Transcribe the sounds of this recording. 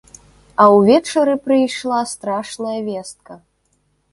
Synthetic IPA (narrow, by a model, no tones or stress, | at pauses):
ɐwvʲɛt͡ʂɐɾɨpɾɨjʂlˠast̪ɾaʂnɐjɐvʲɛst̪̚kɐ